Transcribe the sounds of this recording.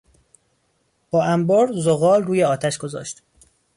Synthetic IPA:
b̥ɒːʔæmbɔːɾzoɣɒːlruːjeɒːt̪ʰæʃɡ̥o̞zɒ̰ːʃt̪

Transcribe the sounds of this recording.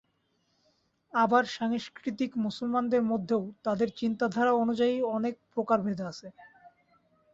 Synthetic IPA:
abaɾʃaŋʃkɾit̪ikmusulmand̪eɾmod̪ʱːeot̪ad̪eɾt͡ɕint̪ad̪ʱaɾaonud͡ʑaiɔnek̚pɾokaɾbʱed̪eaʃʰe

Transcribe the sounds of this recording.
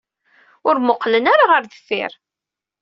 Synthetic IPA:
ʊɾmoqːlənaɾaʁəɾðəfːiɪ̰ɾ

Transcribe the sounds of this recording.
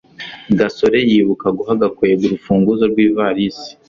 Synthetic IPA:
ɡaso̞ɾe̞jiːβukaɡuɦaɡakojeβuɾufuːŋɡuzoɾɡwiːvaɾisi̥

